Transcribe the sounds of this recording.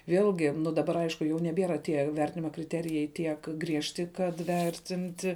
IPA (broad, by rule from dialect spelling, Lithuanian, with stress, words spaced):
ˈʋʲeːlʲɡʲɪ nʊ dɐˈbɐr ˈɐɪʃkʊ jɛʊ nʲɛˈbʲiɛrɐ ˈtʲiɛ ˈʋʲɛrʲtʲɪnʲɪmɐ krʲɪˈtʲæːrʲɪjɛɪ ˈtʲiɛk ˈɡrʲiɛʃʲtʲɪ kɐt ˈʋʲɛrʲtʲɪnʲtʲɪ